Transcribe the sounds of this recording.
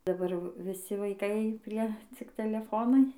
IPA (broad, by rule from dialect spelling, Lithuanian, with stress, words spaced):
dɐˈbɐr ʋʲɪˈsʲɪ ʋɐɪˈkɐɪ ˈpʲrʲiɛ t͡sʲɪk tʲɛlʲɛˈfoːnɐɪ